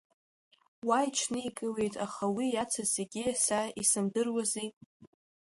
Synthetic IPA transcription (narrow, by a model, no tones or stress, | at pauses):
wajt͡ʃʰnɨikʼɨwe̞jtʼaχawijat͡sʰazeɡʲisaisɨmdɨrwazijʼ